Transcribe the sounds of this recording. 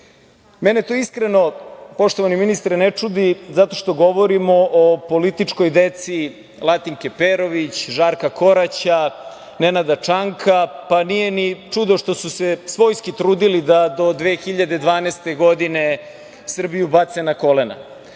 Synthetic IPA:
menet̪oːiskɾeno̞po̞ʃt̪o̞ʋaniminist̪ɾenet͡ʂud̪izat̪o̞ʃt̪o̞ɡo̞ʋoɾimo̞ʔopo̞lit̪it͡ʂko̞jd̪et̪si | lˠat̪iŋkepeɾo̞ʋit͡ɕʒaɾkako̞ɾat͡ɕa | nenad̪at͡ʂaŋkʰapanije̞nit͡ʂud̪o̞ʃt̪o̞susesʋo̞jskit̪ɾuːd̪ilid̪ad̪o̞d̪ʋeːxiʎad̪ed̪ʋaːnest̪e̞ɡo̞d̪ine | sr̩bijubat̪senako̞lena̰

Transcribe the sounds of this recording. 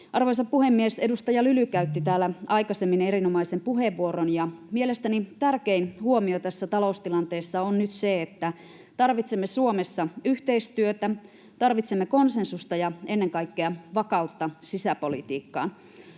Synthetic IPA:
ʔɑrʋojsɑppuhemːiese̞dust̪ɑjɑlylykæyt̪ːit̪æːlːæɑjkɑsemːineɾinomɑisempuɦeʋːuoronjɑmielest̪ænit̪ærkeinhuomiot̪æsːæt̪ɑloust̪ilɑnt̪eːsːɑonnyt̪seet̪ːæ | t̪ɑrʋit̪semːesuomesːɑyht̪e̞ist̪yøt̪æ | t̪ɑrʋit̪semːeko̞nse̞nsust̪ɑjɑenːeŋkɑikːeɑʋɑkɑut̪ːɑsisæpo̞lḭt̪iːkːɑ̰ːn

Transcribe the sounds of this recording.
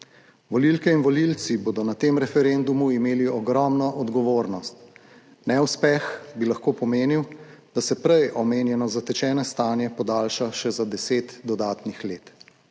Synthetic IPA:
ʋɔlilkɛinʋɔlilt̪siboːd̪ɔnat̪eːmɾɛfɛɾend̪umuimeːliɔɡɾɔmnɔʔɔd̪ɡɔʋoːɾnɔst̪ | nɛwspɛxbilaxkoːpɔmeːniwd̪asɛpɾɛjɔmeːnjɛnɔzat̪ɛt͡ʃɛːnɛst̪aːnjɛpɔd̪aːlʃaʃɛzad̪ɛseːt̪d̪ɔd̪aːt̪nixleːt̪

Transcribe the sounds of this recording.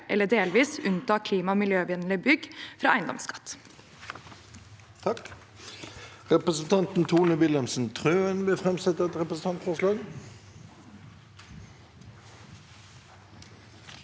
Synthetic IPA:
ʔɛ̰lːəɖeːlʋiːsʉnt̪ɑːkʰliːmɑmɪljøːʋɪnlɪbʏɡfɾɑʔæɪnd̪ɔ̰mskɑ̥t̪ː | t̪ʰɑk | ʁɛpʁəsn̩t̪ʰɑnt̪n̩t̪ʰuːnəʋɪlɛmsn̩t̪ʰʁøːənʋɪfʁɛmsɛt̪əʁɛt̪ʁɛpʁəsn̩ʰɑnt̪fɔʁʂlɑːɡ

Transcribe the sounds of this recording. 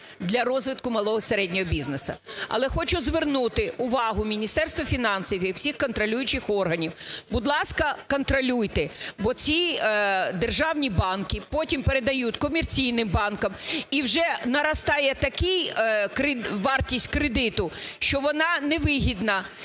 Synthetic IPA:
d̪lʲɐɾɔzʋɪt̪̚kʊmɐlˠɔɦɔseɾɛdʲnʲɔɦɔbʲiznesɐ̰ɐ̰lˠɛxɔt͡ʃʊzʋernut̪ɪʊʋɑɦʊmʲinʲist̪ɛrst̪ʋɐfʲinɑnsiwʲiwsʲixkɔnt̪ɾɔlʲujʊt͡ʃɪxɔrɦɐnʲiwbʊd̪lˠɑskɐkɔnt̪ɾɔlʲujt̪ɛbɔt͡sʲi | d̪erʒɑwnʲibɑnkɪpɔtʲimpeɾed̪ɐjutʲkɔmert͡sʲijnɪmbɑnkɐmiwʒɛnɐɾɐst̪ɑjɛt̪ɐkɪjkɾɪʋɑrtʲisʲtʲkɾed̪ɪt̪ʊʃt͡ʃɔʋɔnɑnɛʋɪɦʲid̪nɐ

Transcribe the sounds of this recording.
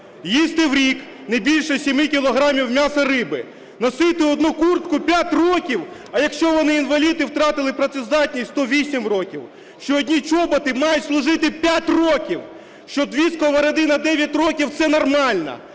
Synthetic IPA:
jist̪ɪwɾʲik | nɐjbʲilʲʃɛsʲimɪkʲilˠɔɦɾɑmʲiwmʲasɐɾɪbɪ | nɐsɪt̪ɪɔd̪nukurt̪kʊpʲjatʲrɔkʲiwɐjɐkʃt͡ʃɔʋɔnɪinʋɐlʲit̪ɪwt̪ɾɑt̪ɪlˠɪpɾɐt̪sɛzd̪ɑt̪ʲnʲisʲt̪ɔʋʲisʲimrɔkʲiw | ʃt͡ʃɔːdʲnʲit͡ʃɔbɐt̪ɪmɑjʊtʲslˠʊʐɪt̪ɪpʲjatʲrɔkʲiw | ʃt͡ʃɔd̪ʋʲiskɔʋɐɾɐd̪ɪnɐd̪ɛʋʲjɐtʲrɔkʲiwt̪sɛnɔrmɑlʲnɐ̰

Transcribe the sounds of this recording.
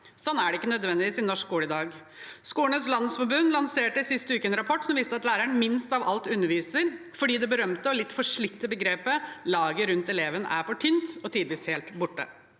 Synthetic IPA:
sɔnæɖɛɪkːənœd̪ʋɛnd̪ɪʋiːsɪnːɔʂkːuːləɪd̪ɑːɡ | skuːəɳəslɑnːəsfɔbʉnːlɑnseːʈəsɪst̪əʉːkəɛnɾɑpʰɔʈːsɔmʋiːst̪əɑt̪læːɾæɳmɪnst̪ɑʋɑ̰lt̪ʉnːəɾʋiːsəɾ | fɔɖiːd̪ɛbəɾœmt̪əɔlɪt̪ːfɔʂɭɪkt̪əbəɡɾeːpəlɑːɡəɾʉnt̪ɛleːʋənə̰ʔæ̰ɾfɔʈʰʏnt̪ɔt̪ʰɪːd̪ʋiːsheːlt̪bʊʈːə̰

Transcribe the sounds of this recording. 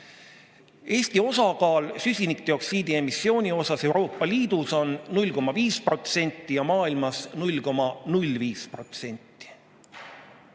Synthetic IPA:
e̞ːsʲt̪io̞sɑkɑːlsysʲinik̚d̪̥eo̞ksiːd̪ie̞misːio̞ːnʲio̞sɑse̞wɾo̞ːpːˑɑliːd̪̥uso̞nnulʲːko̞mɑviːspro̞t̪se̞nʲt̪ːijɑmɑːilmɑsnulʲko̞mɑnulʲviːspro̞t̪se̞nʲt̪ːˑi̥

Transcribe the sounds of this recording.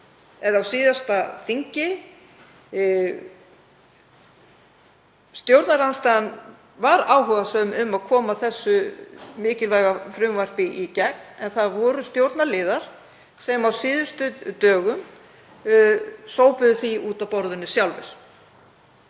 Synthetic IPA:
ɛðawsiːðast̪aθiɲcɪ | st̪jowɾt̪naɾanst̪aɣan | vaɾaːwɦʏːɣasœmʏmːaðkʰɔːmaθɛsːʏmɪːcɪlvaːjɣafɾʏmvajr̥piʔicɛk̚n̥ɛnθaðvɔːɾʏst̪jowɾt̪naɾlɪːðaɾ̥ | sɛmawsɪːðʏst̪ʏt̪œːɣʏm | soːwpʏðʏθiuːt̪awpɔɾðʏnːʏsjawlvɪ̰ɾ̥

